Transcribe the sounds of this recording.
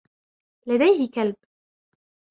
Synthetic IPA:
lad̪ajhɪkalb̚

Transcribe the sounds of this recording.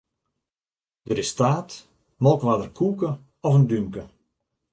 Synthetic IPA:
d̥əɾɪstaːt | mɔlˠkʋadərkʰuːkə | ɔfəndyŋkə

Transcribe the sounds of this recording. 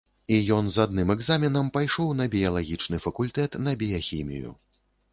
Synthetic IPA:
ijɔnzad̪nɨmɛɡzamʲinɐmpajʂɔwnɐbʲijɐlˠaɣʲit͡ʂnɨfɐkulʲt̪ɛt̪nɐbʲijaxʲimʲḭjṵ

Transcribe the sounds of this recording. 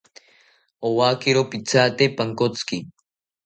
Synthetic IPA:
owaːkiɾopit͡saːt̪epaŋkot͡ski

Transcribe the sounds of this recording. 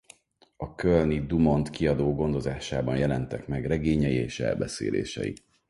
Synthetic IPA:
ɒkølnid̪umo̞nt̪kiɒd̪oːɡo̞nd̪o̞zaːʃaːbɒnjɛlɛnt̪ɛkmɛɡrɛɡeːɲɛjieːʃɛ̰lbɛsḛːlḛːʃɛ̰jḭ

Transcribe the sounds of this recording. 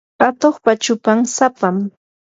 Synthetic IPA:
at̪oχpat͡ʃʊpamsapam

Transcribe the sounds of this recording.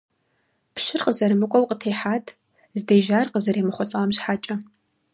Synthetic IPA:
pʃɪrqʼəzɐɾɨmɨkʷʼɔlqʼətʰeːħaːtʰʼ | zdejʒaːrqəzɐɾeːmɨχʷɔt͡sʼɐɐmʃħaːt͡ʃʼɐ

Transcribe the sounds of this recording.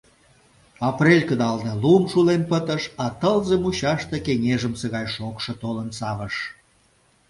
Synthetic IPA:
ɑprelʲkəd̪ɑlnelumʃulempət̪ə̆ʃɑt̪əlzemuɕɑʃt̪ekeŋeʒəmsəɣɑjʃokʃɤ̆t̪olənsɑβəʃ

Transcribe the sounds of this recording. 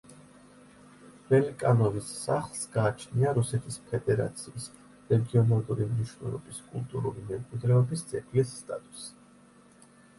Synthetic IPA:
vɛlikʼanɔvisːaχlˠsɡ̥aːt͡ʃʰniaɾusɛt̪ʰispʰɛd̪ɛɾa̰t̪sʰiːs | ɾɛɡiɔnalˠuɾimniʃv̥nɛ̰lˠɔ̰biskʼulˠt̪ʼuɾṵlimɛmkʼwid̪ɾɛɔbist̪sʼʰɛkʰʼlisːt̪ʼa̰t̪ʼu̥s

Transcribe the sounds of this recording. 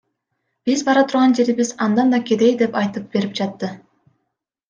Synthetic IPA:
b̥izbɑɾɑt̪ʰuɾʁɑnd͡ʒe̞ɾiβizɑnd̪ɑnd̪ɑkʲed̪e̞jd̪e̞pɑjt̪ɯp̚be̞ɾip̚d͡ʒɑt̪ːɯ

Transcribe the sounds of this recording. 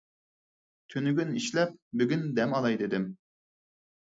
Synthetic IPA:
t̪ʰynyɡʲyniʃlɛp̚byɡʲynd̪ɛmɑlˠɑjd̪ɪd̪ɪm

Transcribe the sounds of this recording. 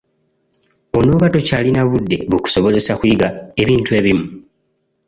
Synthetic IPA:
o̞no̞ːβato̞caːlinaβudːe̞̰βuku̥so̞βo̞ze̞sakuiɡae̞βiːntue̞ːβimu

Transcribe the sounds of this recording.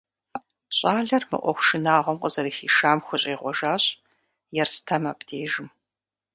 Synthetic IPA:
ɕʼaːɮɐrmɨ̰ʔʷɔ̰xʷʃɨnaːʁʷɔmqʼəzɐɾixiːʃaːmxʷʊɕʼeːʁʷɔʒaːɕʼ | jɛrstʰaːma̰ːpdʰeːʒɪm

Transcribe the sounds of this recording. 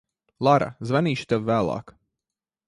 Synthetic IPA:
lˠaɾa̰zvaniːʃi̥t̪aʋvæːlˠɑ̰ːk

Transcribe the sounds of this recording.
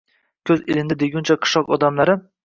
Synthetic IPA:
kʲʰɵzɪlɪnɪd̪eɡʲʊnt͡ʃʰaqʰɨ̥ʃɒqɒd̪amlaɾɪ

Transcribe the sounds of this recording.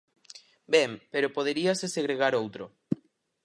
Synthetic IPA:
bɛmpeɾopoðeɾiaseseɣɾeɣaɾowt̪ɾo

